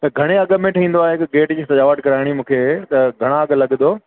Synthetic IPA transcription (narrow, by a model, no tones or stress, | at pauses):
t̪ɐɡʱɐɽ̃eɐɠə̆mẽʈʰɐĩːn̆d̪oaːɦeɪkɡeːʈd͡ʑiːsɐʄaːʋəʈkɐɾaːɪɽ̃imũːkʰet̪ɐɡʱɐɽ̃aɐɠəlɐɠd̪oː